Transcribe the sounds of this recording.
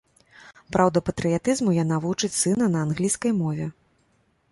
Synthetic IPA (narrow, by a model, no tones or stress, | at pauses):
pɾawd̪ɐpɐt̪ɾɨjat̪ɨzmujanavut͡ʂɨt͡sʲsɨnɐnɐːnɣlʲijskɐjmɔvʲɛ